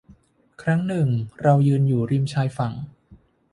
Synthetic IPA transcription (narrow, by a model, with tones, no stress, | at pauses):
kʰɾa˦˥ŋnɯ˨˩ŋɾa˧wjɯː˧njuː˨˩ɾi˧mt͡ɕʰaː˧jfa˨˩ŋ